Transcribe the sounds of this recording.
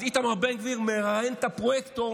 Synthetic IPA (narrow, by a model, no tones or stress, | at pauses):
it̪amaʁbeŋɡviʁmeʁajent̪apʁojekt̪o